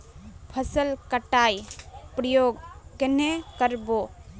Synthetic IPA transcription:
pʰəsəlkəʈajpɾəjoɡkenekəɾbo

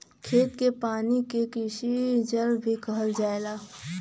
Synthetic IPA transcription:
kʰeːt̪kepaːnikekɪsid͡ʒəɾbʱikəɦəld͡ʒaːelaː

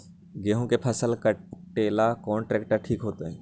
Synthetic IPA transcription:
ɡeːɦõkepʰəsəlkəʈeːlakɔːnʈɾeːkʈəɾʈʰiːkɦoːt̪eɦɛ̃ː

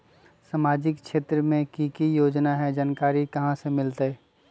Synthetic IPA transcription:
samaːd͡ʒɪkʃeːt̪ɾəmẽkikijoːd͡ʒnaɦɛd͡ʒaːnkaːɾikɐɦãsemɪlt̪eɛː

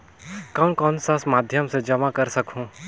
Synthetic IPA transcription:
kɐ̃nkɔːnsasmaːd̪ʱjəmsed͡ʒɐmakɐɾsɐkũː

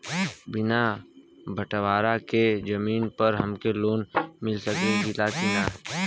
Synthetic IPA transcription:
bɪnabʱəʈʋaːɾaked͡ʒɐmiːnpɐɾɦɐmkeloːnmɪlsəkẽɡilatinaː

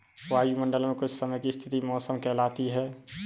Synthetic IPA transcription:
ʋaːjumə̃ɳɖəlmẽkʊt͡ʃʰsəməjkist̪ʰɪt̪imɔːsəmkɛːlaːt̪iɦɛː

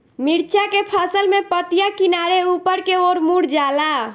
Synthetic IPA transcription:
miɾt͡ʃakepʰəsəlmepət̪ijakinaɾeupəɾkeoɾmuɽd͡ʒala

